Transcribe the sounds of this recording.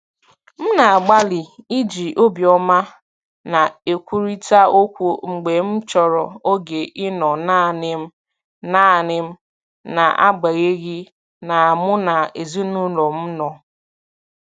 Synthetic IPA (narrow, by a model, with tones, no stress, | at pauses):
m̩˦na˨a˨ɡ͡ba˦lɪ˨i˦d͡ʒi˨ʔo˦bi˨ɔ˦ma˦ | na˨e˨kʷu˦ɾi˦ta˦o˦kʷu˦ŋ͡m̩˨ɡ͡be˨m̩˦t͡ʃɔ˨ɾɔ˨o˦ɡe˨ʔɪ˦nɔ˨na˦˨nɪ˦m̩˦ | na˦a˨nɪ˦m̩˦ | na˨ʔa̰˦ɡ͡ba˨ɣe˦ɣi˦ | na˨a˨mʊ˦na˨e˨zi˦nu˦lɔ˨m̩˦nɔ˨